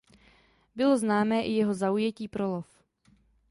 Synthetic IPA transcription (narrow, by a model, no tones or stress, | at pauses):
bɪlo̞znaːmɛːʔɪjɛɦo̞zaujɛciːpɾolof